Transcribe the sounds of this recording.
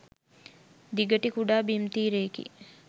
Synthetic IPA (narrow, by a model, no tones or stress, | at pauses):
d̪iɡəʈikuɖaːbimt̪iːɾeːkḭ